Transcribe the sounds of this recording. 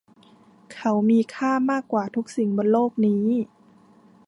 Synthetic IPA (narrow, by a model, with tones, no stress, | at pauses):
kʰa˧˩wmiː˧kʰaː˥˩maː˥˩kːwaː˨˩t̪ʰu˦˥k̚si˨˩ŋboː˧˦nloː˥˩k̚niː˦˥